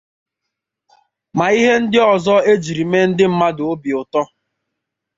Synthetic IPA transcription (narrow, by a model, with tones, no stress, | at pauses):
ma˨i˦ɦe˦n̩˦dɪ˦ɔ˨zɔ˦e˦d͡ʒi˨ɾi˨me˦n̩˦dɪ˦m̩˦ma˦dʊ˨o˦bi˨ʊ˨tɔ˦